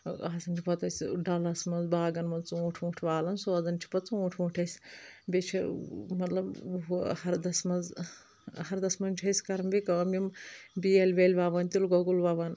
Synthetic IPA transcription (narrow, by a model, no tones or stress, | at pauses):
aːsɐnt͡ʃʰipɐt̪ɐsʲɖɐlɐsmɐnzbaːɡɐnmɐt͡sũːʈʰũːʈʰʋaːlɐnsoːzɐnt͡ʃʰi̥pɐt͡sũːʈʰũːʈʰɐsʲbʲet͡ʃʰimɐt̪lɐbɦhɐɾd̪ɐsmɐnz | hɐɾd̪ɐsmɐnt͡ʃʰɐsʲkɐɾɐmbʲikɐɐmimbielʲʋeːlʲʋaːʋɐnt̪ilɡoɡulʋaːʋɐn